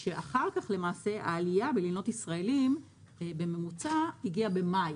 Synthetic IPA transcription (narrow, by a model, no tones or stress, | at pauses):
ʃe̞ʔaχaʁkaχle̞maːse̞ʔa̰ːlijabelino̞tisʁae̞lim | be̞me̞mut͡saiɡiabe̞maj